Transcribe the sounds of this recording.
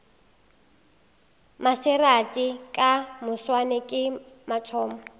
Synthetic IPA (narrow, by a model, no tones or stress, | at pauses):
masɪratʼikʼamʊswanɪkʼɪ | mat͡sʰɔːmɔ